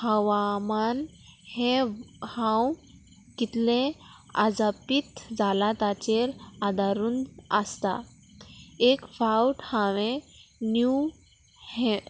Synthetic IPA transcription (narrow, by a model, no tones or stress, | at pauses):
haʋaman | hẽhãw | kit̪lẽ | ad͡zapit̪d͡zʱalat̪at͡ɕeɾad̪ʱaɾuːnəst̪a̰ | ekfawʈhãʋẽnju